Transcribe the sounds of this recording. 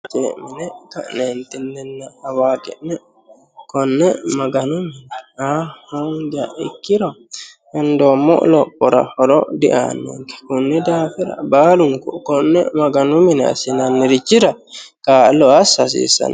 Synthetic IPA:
t̪ɛmɪnɛkɐ̰ʔnent̪ɪnːɛnːɐhɐwaːkɛʔnɛ | kɔnːɛmɐɡɐnʊmɪnɛahɔŋɡa̰ɪ̰kːɪɾɔ | ɐnd̪omɔ̰ʔlɔpːɔɾɐ̰hɔɾɔ̰d̪ɪ̰ʔa̰ːnːḛŋkɛ̥kʊnːɛd̪aːfɛɾɐ̰baːlʊnkɔkɔnːɛmɐɡɐnʊmɪnɛɐ̰sɪnɐnːɪɾɪt͡ʃːɪɾɐkaːlɔɐsɐs̬ḭːsɐ̰n

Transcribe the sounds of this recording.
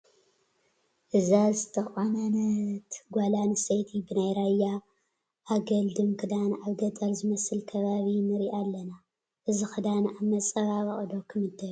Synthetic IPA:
ʔɨzazɨt̪ʰɐxonanɐt̪ɡʷalanɨsɐjt̪ʰibɨnajɾajːa | ʔːɡɐld̪ɨmkʰɨd̪anʔaβɡɐt̪ʼɐlzɨmɐsɨlkʰɐβaβinɨɾiʔalːɐna | ʔɨzixɨd̪anʔamːɐt͡sʼɐβaβɐχʼd̪o̞kʰɨmɨd̪ːɐl

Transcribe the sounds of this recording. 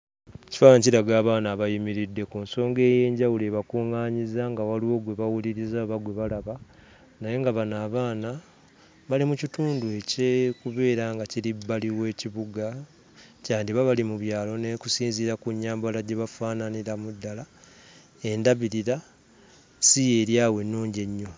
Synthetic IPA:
ci̥faaɲciɾaɡaːβaːnaːβajimiɾidːe̞kunso̞ːŋɡe̞ːje̞ːɲɟawuleːβakuːŋaːɲizaŋɡawaliwo̞ɡwe̞βawuliɾizaβaɡwe̞βalaβa | naje̞ŋɡaβanaːβaːna | βalimucituːndue̞cekuβe̞ːɾaŋɡaciɾibːaliwe̞ːciβuɡa | caːndiβaβalimuβjaːlo̞ne̞kusiːnziɾakuɲːaːmbalaɟe̞βafaːnaniɾamudːala | e̞ndaβiɾiɾa | sije̞ːɾjaːwe̞nːuːɲɟeɲːo̞

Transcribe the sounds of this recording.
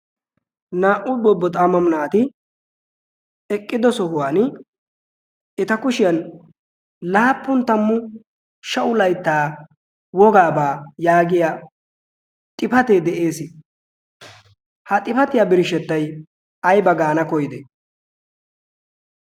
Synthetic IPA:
naːʔʊbɔbːɔt̪ʼamɐmnaːt̪ɪ | ɛkʼːɪd̪ɔsɔhʊwaːn | ɪt̪ɐkʊʃɪjɐn | laːpːʊnt̪ːɐmːʊ | ʃɐʔʊlɐjt̪ːaː | wɔɡaːbaːjaːɡɪja | t̪ʼɪpɐt̪ed̪ɛʔe̞ːsɪ | hɐt̪ʼɪpɐt̪ɪjabɪɾʃɛt̪ːɐj | ɐjbɐɡaːnɐkɔjd̪ɛ

